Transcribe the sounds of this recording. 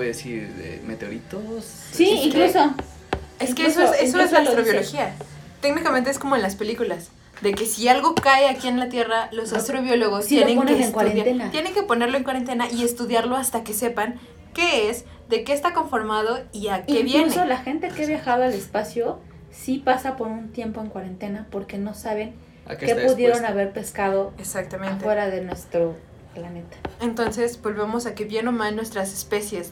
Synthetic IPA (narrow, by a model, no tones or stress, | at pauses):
weesḭɾḛmet̪eoɾit̪os | siiŋkluso | eskkeesoesesoesat̪ɾoβjo̞loxiat̪e̞knikamẽnt̪eesko̞moenlaspe̞likulas | ðe̞ke̞sialɣo̞kae̞akie̞nlat̪je̞ralo̞sast̪ɾoβjo̞lo̞ɣost̪enẽŋuneasŋkw̪aueðjat̪enat̪je̞ne̞ŋke̞po̞ne̞ɾloeŋkwaɾe̞nt̪̬e̞naʔie̞st̪uðjaɾlo̞ast̪ake̞se̞paŋ | ke̞ez | ðe̞ke̞ːst̪ako̞ɱfo̞ɾmað̞o̞iakeβjeusolaxe̞nt̪e̞keaβjaxaðoalespasjo̞ | sipasapo̞ɾunt̪je̞mpo̞eŋkwaɾe̞nt̪e̞napo̞ɾke̞no̞saβe̞ŋ | kkepuðjeɾonaβe̞ɾpe̞skaðo̞esak̚t̪amẽnfeweɾaðenwest̪ɾo | plane̞t̪ḁent̪o̞nse̞zbo̞lβemo̞sakeβjenomanwe̞st̪ɾase̥spe̞sje̞s